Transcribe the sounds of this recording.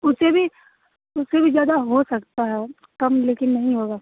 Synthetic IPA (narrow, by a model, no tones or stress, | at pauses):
ʊsebʱi | ʊsːebʱizjaːd̪aɦosɐkt̪aɦɛ | kɐmleːkɪnːɐɦĩɦoːɡaː